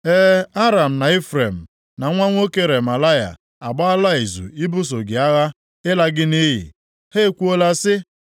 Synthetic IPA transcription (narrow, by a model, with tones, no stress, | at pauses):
eː˦a˦ɾa˨m̩˨na˨e˦fɾe˨m̩˨ | na˨˦ŋʷa˦ŋʷ˦o˦ke˦ɾe˨ma˨la˦ja̰˨ | a˨ɡ͡ba˦a˦la˦i˨zṵ˨i˦bʊ˦s̬o˨ɡɪ˨a˦ɣa˦ | ɪ˦la˦ɡɪ˦ni˦ɦɪ̰˨ | he˦˨kʷu˦o˦la˦sɪ˦